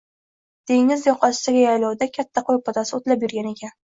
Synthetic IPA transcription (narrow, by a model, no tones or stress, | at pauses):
d̪̥e̞ŋɪzjɒqʰɒ̥t̪aɡʲajajlɒwd̪akʲʰat̪ʰːaqʰojpʰɒt̪asɪot̪lapjʊɾɡʲane̞kʲan